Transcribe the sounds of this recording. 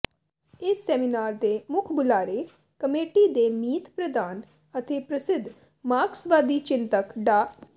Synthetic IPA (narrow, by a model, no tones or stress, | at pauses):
ɪsːɛːminaːɾd̪eːmʊkʰbʊlaːɾeː | kəmeːʈiːd̪eːmiːt̪pɾəd̪aːn | ət̪eːpɾəsɪd̪ʱ | maːksʋaːd̪iːt͡ʃɪnt̪əkɖaː